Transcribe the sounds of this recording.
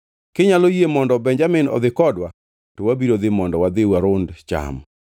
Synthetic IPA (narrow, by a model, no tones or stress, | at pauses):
kɪɲalojemɔndɔbɛɲd͡ʒamɪnɔ̰ðɪkɔdwa | tɔwabiɾod̪ɪmɔndɔwad̪ɪwaɾʊndt͡ʃa̰m